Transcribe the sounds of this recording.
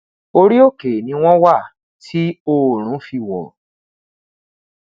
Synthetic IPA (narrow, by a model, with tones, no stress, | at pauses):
o˧ɾi˦o˦˨ke˨nĩ˧˦w̃ɔ̃˦wa˦˨ | tʰi˦o˦˨ɾ̃ũ˨˦fi˧wɔ̰˨